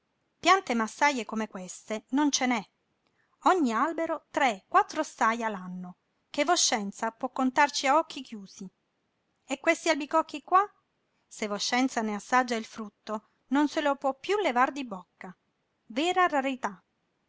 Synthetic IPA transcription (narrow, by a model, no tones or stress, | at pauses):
pjant̪emasːajekomekwest̪enont͡ʃenɛ | ɔɲːialbeɾot̪ɾekːwat̪ːɾost̪ajalanːo | kevoʃːɛnt̪sapwɔkːont̪art͡ʃiaɔk̟ːikjuːsi | ekːwest̪ialbikɔkːikːwa | sevoʃːɛnt̪saneasːad͡ʒːailfɾut̪ːo | nonselopwɔpːjulevard̪ibɔkːa | veːɾaraɾit̪a